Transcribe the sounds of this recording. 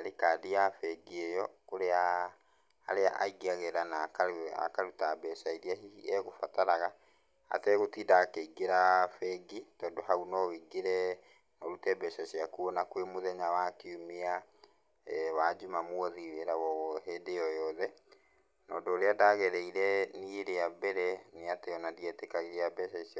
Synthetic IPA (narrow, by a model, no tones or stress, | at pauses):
aɾekaːdijafɛɡiejɔkoɾea | ha̰ɾea̰ʔa̰iɡiaɣɛɾanakaa̰kaɾutabɛsaiɾiaɦiɛɣofataɾaɣa | a̰tɛɣotidakeiɡeɾafɛɡitɔːndohaunɔwiɡeɾɛ | nɔɾutɛbɛsasiakuɔnakwemoðɛɲawakeumea | wad͡ʒumamwɔðiweɾawɔɔɦedeɔjɔðɛ | nɔːdɔːɾeadaɣɛɾɛiɾɛnieɾeabɛɾɛneateɔnadiɛtekaɣeabɛʃais